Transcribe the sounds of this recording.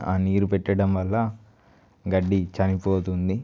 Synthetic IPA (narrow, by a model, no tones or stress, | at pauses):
a̰ːniːɾupɛʈːɐɽɐmʋɐlːɐ | ɡɐɖːit͡ʃɐnipoːt̪und̪i